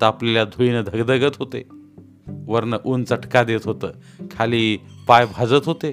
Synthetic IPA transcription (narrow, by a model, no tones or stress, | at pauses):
t̪əapleljad̪ʱuinəd̪ʱəɡd̪əɡət̪ɦot̪e | ʋəɾnəʔunt͡səʈkad̪et̪ɦot̪əː | kʰaliːpajbʱad͡zət̪ɦot̪e